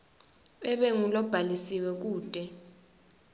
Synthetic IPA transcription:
ɛɓɛŋulɔb̥ʱalisiwɛk̬uːd̥ʱɛ

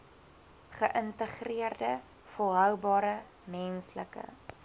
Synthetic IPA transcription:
χəʔəntəχriərdə | fəlˠɦœwbɑːɾə | mɛnsləkə̰

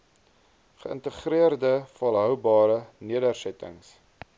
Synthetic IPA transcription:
χəə̰ntəχɾiərdəfɐlˠɦœwbɑːɾəniədərsɛtə̰ŋs

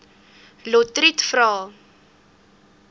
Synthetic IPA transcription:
lɔtritfrɑː

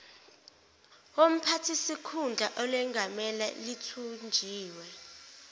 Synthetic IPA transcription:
wom̩pʰatʰisikʰund͡ɮʱaʔɔlwɛŋɡʱamɛla̰litʰund͡ʒʱiːwɛ

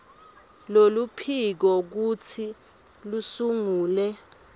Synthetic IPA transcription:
lolupʰik̬ɔk̬utʰi | lusuŋuːlɛ

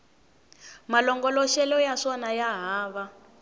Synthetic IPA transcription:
malɔŋɡɔlɔʃɛlɔjaʂɔnajaɦaːβa

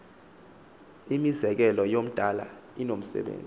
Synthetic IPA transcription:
imizɛk̬ɛlɔjom̩d̥ʱala̰inom̩sɛ̰ɓḛːnd͡zʼ

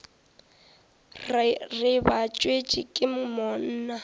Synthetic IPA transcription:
rrɪbat͡ʃʼwet͡ʃʼɪkʼɪm̩mɔn̩ːna

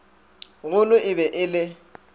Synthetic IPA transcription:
ɣʊlʊʔɪbɛʔɪlɪ

